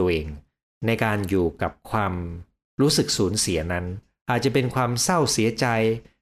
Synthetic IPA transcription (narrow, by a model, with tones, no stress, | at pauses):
ʔeː˧ŋ | na˧jkaː˧njuː˨˩ka˨˩p̚kʰwaː˧m | ɾuː˦˥sɯ˨˩k̚suː˩˦nsi˩˦ɐna˦˥n | ʔaː˨˩t̪̚t͡ɕa˨˩pe˧nkʰwaː˧msa˥˩wsi˨˩˦ɐt͡ɕa˧j